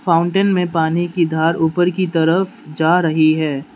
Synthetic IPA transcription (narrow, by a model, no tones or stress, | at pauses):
fãːʊ̃ɳʈənmẽpaːnikid̪ʱaːɾuːpəɾkit̪ɐɾəfd͡ʒaːɾɐɦiɦɛː